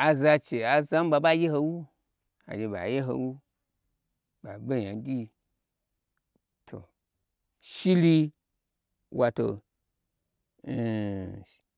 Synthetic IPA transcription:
a˨za˧t͡ʃe˨a˨za˦m̩˦ba˧ba˦je˦ɦo˧wu˦ | a̰˨d͡ʒʲe˧ba̰˨je˦ɦo̰˧wu˦ | ba˨be˦˨ɲa˨˦dʲi˦ | tʰo̰˨ | ʃi˦li˧ | wa˧to˧˨

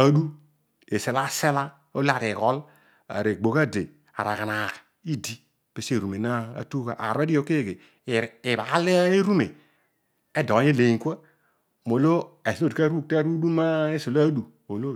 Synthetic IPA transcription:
a˨du˦ | e˨se˨la˦se˦la˦ | o˦la˨ɾe˨ɣɔ˦l | a̰˨ɾe˨ɡ͡bo˨ɣa˦de˨ | a̰˨ɾa˨ɣa˨na˨kḁ˨ | i˦di˦ | pe˨se˦˨ɾu˨me˨na˦a̰˨tu˦ɣa˨ʔa̰˨ɾe˦di˦o˨ke˦˨ɣeː˨ | βa˨˦le˦e˦ɾu˦mḛ˨ | e˦do˨˦e˦le˨i˨ŋkʷa˦ | mo˨lo˦e˨so˦dka˦ɾu˦kta˦ɾu˦du˦ma˦e˦so˨la˦du˨ | mo˨lo˦

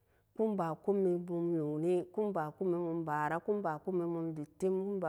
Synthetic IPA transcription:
ku˦mba˨ku˦mːi˧bu˧mnu˨ni˦ku˦mba˨ku˦mi˧˦mu˧mba˨ɾa˦ku˦mba˨ku˦mːi˧mu˧mdi˨ti˦mku˦mba˨

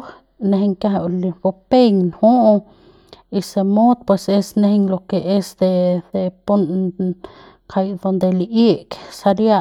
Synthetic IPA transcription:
ne˧ɦeŋka˧˦ɦa˧lb̥o˧pe˦ɲnho˦ʔ | i˧se˧mo˦d̪̚pwe˧se˦sne˦hŋlo˧ke˨ʔe˦sd̪e˧d̪e˧pu˦n | kʰa˧jd̪o˧nd̪e˨liʔe˦ksa˧ɾja˦

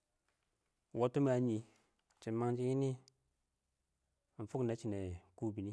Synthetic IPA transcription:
wo˦tːu˦m˦a˨ɲi˨ | t͡ʃi˨ma˦ŋ˦d͡ʒi˦ji˦ni˦˨ | n̩˨fu˦kna˨˦t͡ʃi˨ne˨ku˦bi˨ni˦

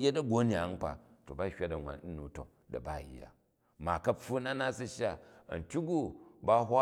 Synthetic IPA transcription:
je˦da˦ɡo˦ni˨a˨˦ŋ˦k͡pa̰˨to˨ba˦hʲa˦da˨nʷa̰˨n̩˦nu˨to̰˨ | da̰˨ba˦˨ḭː˨˦a̰˨ | ma˨kɐ˦ɸu˦na˦na˦si˦ʃa˦ɐ̰˨n˨tʲu˦ɡu˦ba˦ɦʷa˦

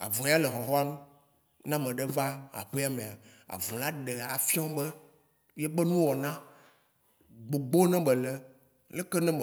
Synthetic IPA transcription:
a̰˨vũ˨ja˦le˨xɔ˨ɦɔ˦a˦nũ˦ | nã˦mɛ̃˨ɖɛ˦va˦a̰˨ɸe˦a˦mẽ˨a˨ | a̰˨vũ˨la˦ɖɛ˨a˨fi˦ɔ̃˦bɛ˦ | jɛ˦bɛ˦nũ˦wɔ˨nã˦ | ɡ͡bo˨ɡ͡bo˦nɛ̃˦bɛ˨lɛ˦ | lɛ˦kɛ˦nɛ̃˦b

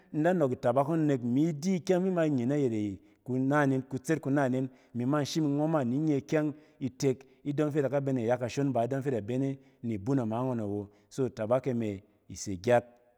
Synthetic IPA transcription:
n̩˦da˦no˨ki˨ta˨ba˦ko˦ne˧kmi˨˦di˦kʲa˦ŋmi˦ma˧i˨ɲe˨na˦je˨ɾe˨ | ku˧na˦˨ne˨nku˧t͡se˦t̚ku˧na˦˨ne˦n | mi˨˦ma˦n̩˨ʃi˦mi˧ŋʷo˦ma˦˨ni˨˦ɲe˧˨kʲa˦ŋ | i˧te˧k | i˦do˦m˦fe˦ta˨ka˦be˧˦ne˨ja˦kːa˨ʃo˦nba˨i˨˦do˦m˦fe˦ta˨be˦ne˦ | ni˨bu˦na˨ma˨˦ŋo˧na˨wo˨ | so˦˨ta˨ba˦ke˧me˨ | i˨se˨ɡʲa˦t̚

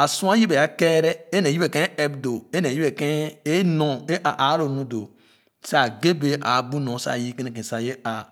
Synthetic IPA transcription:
a˨sũ˦a˦ji˦be˨a˦ke˦ɾe˦ne˨i˦be˨kẽ˦e˦bdo˨e˦ne˨ji˦be˨ke˦e˦no˨e˦ʔa˨ʔa˨˦ɾo˨nũ˦do˨ | se˦a˨ɡe˦be˨ʔa˨bu˦nõ˨sa̰˦˨ji˦ke˦ne˨k̬ẽ˨sa˨je˦a˨

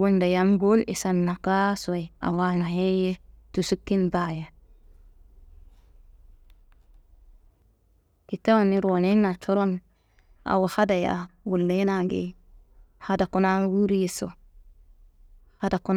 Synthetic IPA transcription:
u˦nda˨ja˦mɡo˦lḭ˨sa˨nːa˨ka˦sa˨ja̰˨wa˦na˨he˦je˦tu˨su˦kːi˦nba˨ja˨ | ki˨ta˦wa˨ni˦ɾo˨ne˦na˨t͡ʃo˦ɾo˦n | a̰˨wa˨ha˦da˨ja̰˨wu˨lːe˦na˨ɡḛ˨ | ha˨da˨ku˨˦na˦wu˦ɾi˦ji˨so̰˨ | ha˨da˨ku˦n

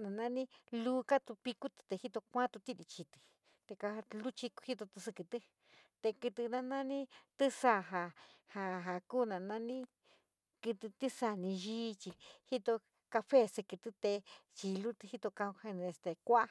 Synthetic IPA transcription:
nã˨nã˦˧nĩ˦lu˦ka˦t̪u˧pi˧ku˦t̪ɨ̥˧t̪e˧hi˦t̪o˧kʷã˦t̪u˧t̪i˦ɾi˧t͡ʃi˧t̪ɨ̥˨ | t̪e˧ka˧lu˦t͡ʃi˧khi˦t̪o˧t̪ɨ˧sɨ˧kɨ˧t̪ɨ˦ | t̪e˧kɨ˧t̪ɨ˧nã˧nã˦nĩ˦t̪ɨ˦sa˧˨ɦa˧ha˧ɦa˨kuː˦nã˨nã˦nĩ˦ | kɨ˧t̪ɨ˧t̪i˦sa˧nĩ˧ʒiː˦˧t͡ʃi˧hi˦t̪o˧ | ka˧fe˦sɨ˧kɨ˧t̪ɨ˧t̪e˧t͡ʃi˧lu˦t̪ɨ˧hi˦t̪o˧kã˧u˧he˧ñ˧e˧st̪e˧kʷa˦˧

